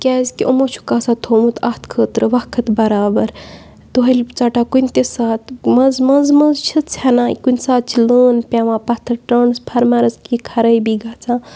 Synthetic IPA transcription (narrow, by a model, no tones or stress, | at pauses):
kʲazkiʔomot͡ʃʰu̥kaːsat̪ʰoːmut̪ʰɐht̪ʰkʰəːt̪ɾɨʋɐkʰɐt̪bɐɾaːbɐɾ | d̪uɦɐlʲt͡saːʈakunʲt̪esaːt̪mɐzmɐzmɐzt͡ʃʰɨt̪t͡sʰanaːikunʲsaːt̪̚t͡ʃʰiləːnpʲaːʋãpɐt̪ʰːɐʈəɳspʰɐɾmaɾɐzkikʰɐɾəjbiɡaːt͡sãː